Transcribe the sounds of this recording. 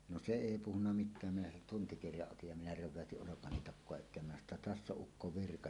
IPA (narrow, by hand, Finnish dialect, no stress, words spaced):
no se eˑi puhunːɑ mitˑæːm minæ sen tuntikirjɑʔ ʔotij jɑ minæ ræʋˑæøtiʔ ʔolokɑni tɑkːoɑ etˑeːm minæ sɑno tːɑ tæsː oʔ ʔukːo ʋirkɑ